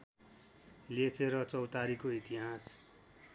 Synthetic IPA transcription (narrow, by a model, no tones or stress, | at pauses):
lekʰeɾʌt͡sʌwt̪aɾikoit̪iɦas